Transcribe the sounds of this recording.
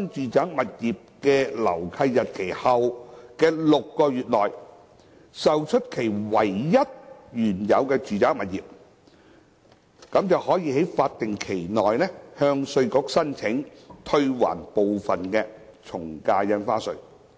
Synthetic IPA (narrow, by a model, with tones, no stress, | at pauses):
nt͡ʃyː˨t͡saː˨˥ŋmɐ˨t̚jiː˨p̚kɛː˧lɐ̰˨˩wkʰɐ˧jːɐ˨t̚kʰe˨˩jhɐ˨wkɛː˧lʊ˨kːɔː˧ɥyː˨t̚lɔː˨j | sɐ˨wt͡ʃʰɵ˥t̚kʰe˨˩jwɐ˨˩jjɐ˥t̚jyː˨˩njɐ̰˨˧wkɛː˧t͡ʃyː˨t͡saː˨˥ŋ̚mɐ˨t̚jiː˨p̚ | kɐ˨˥mt͡sɐ˨whɔː˨˥jiː˧he˨˥jfaː˧t̚t̪ɪ˨ŋkʰe˨˩jnɔː˨jnɛ˥hœː˧ŋsɵ˧ɥkɔː˨˥k̚sɐ˥nt͡sʰɪ˨˥ŋt̪ʰɵ˧ɥwa̰ː˨˩npo˨wfɐ˨nkɛ˧ | t͡ʃʰʊ˨˩ŋkaː˧jɐ˧˥nfaː˥sɵ̰˧ɥ